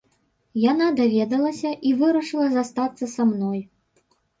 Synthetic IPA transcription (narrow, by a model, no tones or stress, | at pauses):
janad̪avʲɛd̪ɐlˠɐsʲɐʔivɨɾɐʂɨlˠɐzast̪at̪sːɐsamnɔj